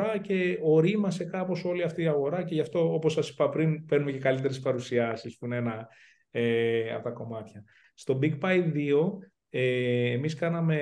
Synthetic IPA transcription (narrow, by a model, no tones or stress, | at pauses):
ɐce̞o̞ɾimɐse̞kɐpo̞so̞liɐft̪iːɐɣo̞ɾɐce̞ʝɐft̪o̞opo̞sɐsi̥pɐpɾinpeɾnume̞ce̞kɐlit̪e̞ɾe̞spɐɾusiɐsispune̞nɐ | eɐ̰t̪ɐko̞mɐt̪çɐ | st̪o̞biɡpɐj̪ðio̞ | eːmiskɐnɐme̞